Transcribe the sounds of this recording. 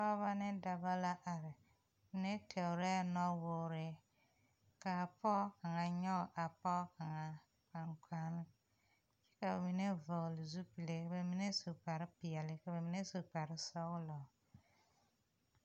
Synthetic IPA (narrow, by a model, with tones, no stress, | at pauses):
pɔ˦βa˦nɪ˦da˨ba˦la˦ʔa˨ɾɪ˨ | mi˨ne˦tʰɛ˨ʊ˨ɾɛ˦nɔ˦wʊ˨ɾɪ˨ | ka˨pɔ˦ka˨ŋa˨ɲɔ˦˨ʔa˨pɔ˦ka˨ŋa˨ | pa˨ŋkʰa˦nɪ˦ | t͡ʃɛ̥˦ka˨bɛ˨mi˨ne˦vɔ˨ɣlɪ˨zu˦pi˨le˨be˨mi˦ne˦su˨pa˨ɾɪ˦pɪ˨ɛ˨lɪ˦ka˨bɛ˨mi˨˦ne˦su˨pa˨ɾɪ˦sɔ˦ɣlɔ˨